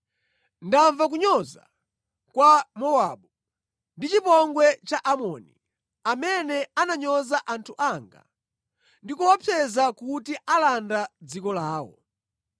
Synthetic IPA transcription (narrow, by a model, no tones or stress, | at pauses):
ndaɱvak̬uɲɔza̰ | kwamɔwaɓu | ndit͡ʃipɔŋɡwɛt͡ʃaʔamɔnḭ | amɛnɛanaɲɔzaʔantʰuʔaŋɡa̰ | ndikuwɔpʰɛzakutiʔalandad͡zikɔlaːwɔ̰